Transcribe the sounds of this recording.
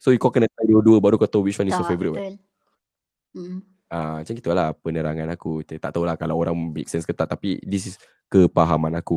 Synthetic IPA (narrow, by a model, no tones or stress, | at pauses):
sojukɔkənət̪aduəduəbaʔɾukot̪owiʃwanisɔfevəɾit̪̚ba | at͡ʃaŋkit̪ualapənəɾaŋanakutt̪a̰ʔt̪aulahkalawoɾaŋbɛ̰k̚sɛnskət̪aʔ̚t̪apḭdis̬is | kəpaɦamãnaku